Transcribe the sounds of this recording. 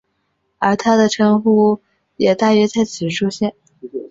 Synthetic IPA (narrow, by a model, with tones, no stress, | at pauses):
ə˞˧˥t̪ʰa˥d̪ə˨ʈ͡ʂʰɤ˥ŋxu˥˩ | jɛ˨˩t̪a˥˧ɥɛ˥t͡sa˥˩ɪt͡s̩ʰ˨˩ʈ͡ʂʰu˥ɕjɛ˥˩n